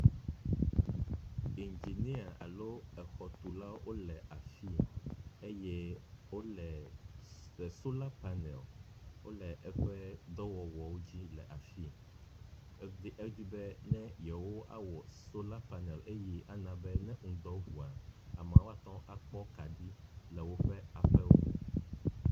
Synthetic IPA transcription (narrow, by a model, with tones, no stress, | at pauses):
i˨nd͡ʒi˨nĩ˦a˨a̰˨lo˦ɛ˨xɔ˨t̪u˨la˦wʔo˦lɛ˨ʔa˨fi˦e˦jɛ˦wo˦lɛ˨ | ɛ˨so˦la˦pa˦nɛ˨lwʔo̰˦lɛ˨ʔɛ˦ɸɛ˦d̪ɔ˦wɔ˨wɔ˨wo˦d͡ʑi˦lɛ̰˨ʔa˨fi˦ | d̪i˦ɛ˦d͡ʑi˦bɛ˦nɛ̃˦jɛ˨wo˦ʔa̰˦wɔ˨so˦la˦pa˨nɛ˨le˦ji˦ʔa˨nã˦bɛ˦nɛ̃˦ŋũ˨d̪ɔ˦ɦu˨a˨a˨mã˨wo˦a˦˨t̪ɔ̃˦a˨k͡pɔ˦ka˨di˦lɛ˨wo˦ɸɛ˦a˨ɸɛ˦wo̰˦